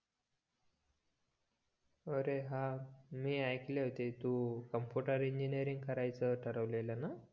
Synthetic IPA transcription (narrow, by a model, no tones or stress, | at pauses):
əɾeɦãmiːajkleɦot̪et̪ukəmpjuʈəɾiɲd͡ʑinijəɾiŋɡ̚kəɾajt͡səʈʰəɾəʋleləna